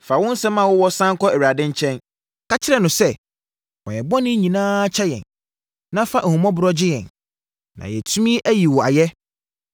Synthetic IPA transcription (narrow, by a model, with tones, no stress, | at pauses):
fa˨wʊ̃˦n˦sɛ̃˦mã˦˨wʊ˦wɔ˦sã˦ŋ˦kʰɔ˦æ˨ɥa˨dɪ̃˦ɲ˦t͡ɕʰɛ̃˦n | ka˦t͡ɕʰɪ˦ɾɛ˨nʊ̃˨sɛ˦ | wɔ̰̃˨jɛ˨bɔ˦nɪ̃˦ɲĩ˨nãː˦t͡ɕʰɛ˦jɛ̰̃˨n | nã˦fa˦ʔhũ˨mɔ̃˦bʊ˨ɾɔ˦d͡ʑɪ˦jɛ̰̃˨n | nã̰˨jɛ˨tʰu˦mĩ˦ʔæ˦ji˨wɔ˨a̰˨jɛ˦